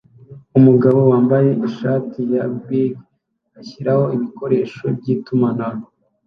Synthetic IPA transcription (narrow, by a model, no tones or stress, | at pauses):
umuɡaβo̞waːmbaje̞ʔiʃaːtʰijabiɡ | açiɾaho̞iβiko̞ɾe̞ːʃo̞̰b̚ɟiːtumanaɾo